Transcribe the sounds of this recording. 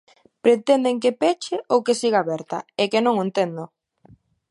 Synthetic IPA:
pɾet̪end̪eŋk̬epɛt͡ʃɪʔowkesiɣ̞aːβɛɾt̪ɐekenõŋent̪end̪ʊ

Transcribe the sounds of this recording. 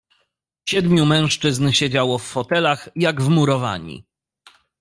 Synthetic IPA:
ɕɛd̪mʲjumɛ̃w̃ʂt͡ʂɘznɕed͡ʑawɔfːɔt̪ɛlaxjaɡvmuɾɔva̰ɲḭ

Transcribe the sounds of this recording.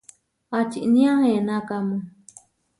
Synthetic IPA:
at͡ʃḭʔnĩãhẽnakamu

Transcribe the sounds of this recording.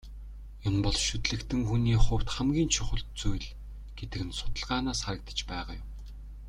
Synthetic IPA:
jʊnpɔɮʃɵt̪ɮɘ̆kt̪ʰɘ̆ŋxuniːχʊw̥t̪χæmɡʲiːnt͡ɕʰʊχə̆ɬt̪̚t͡sujɮ | ɡ̥et̪ɘ̆kɘ̆nsʊ̥t̪ə̆ɮʁaːnaːsχaɾə̆k̚t̪ə̥̆t͡ɕpæːʁaːjʊm

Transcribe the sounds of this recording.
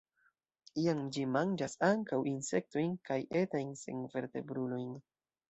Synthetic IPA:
iamd͡ʒimand͡ʒasaŋkawinse̞k̚to̞jnkajʔe̞tajnsḛŋve̞ɾte̞̰bɾulo̞jn

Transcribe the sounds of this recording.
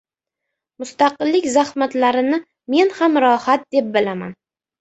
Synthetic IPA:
mʊst̪aqɨlːɪkʲzahmat̪laɾɪnɪ | me̞nhamɾɒhat̪̚d̪e̞p̚bɪlama̰n

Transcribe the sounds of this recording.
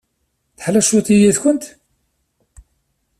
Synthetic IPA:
θə̥ħlæʃuθijiθkʷʊnt̪

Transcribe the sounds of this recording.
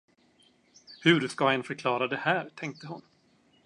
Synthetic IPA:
hɵɾskaɛnfœɾkʰlɑːɾad̪ɛhæːɾt̪ʰɛŋk̚t̪əɦʊn

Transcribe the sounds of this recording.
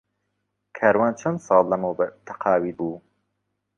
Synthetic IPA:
kʰaːɾwaːnt͡ʃʰɐnd̪sɑːlˠːɐmoːbt̪ʰɐqʰɑːwiːbuː

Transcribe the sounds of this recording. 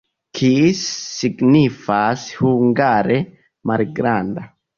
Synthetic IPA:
kʰisːiɡnifashuŋɡaɾe | maɾiɡɾanda

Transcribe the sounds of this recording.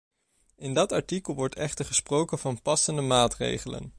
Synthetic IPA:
ɪndɑtɑɹtikəlˠʋɔɹtʰɛχtəɹχəsprowkənvɑnpɑsəndəmaːtrḛjχələ̰n

